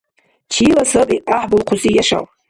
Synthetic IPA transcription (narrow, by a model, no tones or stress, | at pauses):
t͡ʃʰilasɨbʼiaħbʊlqʰʊzijaʂa̰w